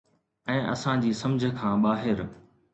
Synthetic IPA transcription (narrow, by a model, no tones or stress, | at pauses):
ɛ̃ːʔɐ̰sãd͡ʑiːsɐ̃md͡ʑʱə̆kʰãːɓaːɦɪɾ